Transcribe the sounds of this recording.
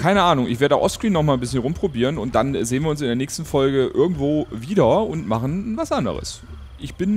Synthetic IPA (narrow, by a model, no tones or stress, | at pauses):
kʰaɪnəʔaːnʊŋʔɪ̰çv̥eɐdəaʊʔɔfskʁ̥iːnːɔχmaːln̩bɪsçənʁʊmpʁ̥obiːʁ̞ənʊnt̚d̥anzeːənviːɐʊnsɪndeːɐnɛːçstn̩fɔlɡəʔɪɐɡŋ̩tv̥oːviːdɐʊntma̰χn̩vasʔandə̰ʁə̰s | ʔɪçb̥ɪn